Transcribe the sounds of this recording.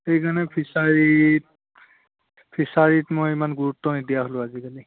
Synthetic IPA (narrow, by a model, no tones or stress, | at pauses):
ejɡanɛpʰisaɹi | pʰisaɹitmʊjimanɡuɹut̪ːɔnidijaɦoloaziɡali